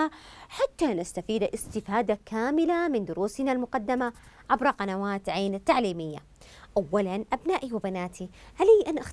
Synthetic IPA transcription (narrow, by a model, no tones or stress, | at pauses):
aħat̪ːanast̪afiːd̪ʔɪst̪ɪfaːd̪akʰaːmɪlamɪnd̪ʊɾuːsnalmʊqɑd̪ːama | ʕabɾˤɑqɑnawaːt̪ʕaːnɪt̪ːaʕliːmɪjːa̰ | ʔawːalanʔabnaːʔiwɪbanaːt̪ʰi | halhiːʔanʔa